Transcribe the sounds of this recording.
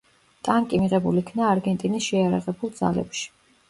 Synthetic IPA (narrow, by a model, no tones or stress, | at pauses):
t̪ʼaŋkʼimiʁɛbulikʰnaːɾɡɛnt̪ʼinisʃɛjaɾaʁɛbulˠd̪za̰lɛ̰pʃi̥